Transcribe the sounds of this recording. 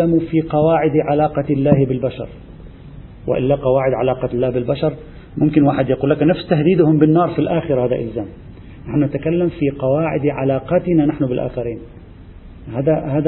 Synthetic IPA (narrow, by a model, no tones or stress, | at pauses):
amufiqɑwaːʕɪd̪ʕalaːqɑlːaːhbɪlbaʃɑ̰ɾˤ | wʔɪ̰ʔɪ̰lːaqɑwaːʕɪd̪ʕa̰laːqɑlːaːhbɪlbaʃɑɾˤ | mʊmkɪnwaːħɪd̪jaquːlːaknafst̪ahd̪iːd̪ʊhʊmbɪnːɑːɾˤfilʔaːxɪɾɑhaːd̪a̰ʔɪ̰lzaːm | naħnʊnat̪akalːamfiqɑwaːʕɪ̰d̪ʕalaːqɑt̪ɪnanaħnʊbɪlʔa̰ːxɑɾiːn | haːd̪ahaːd̪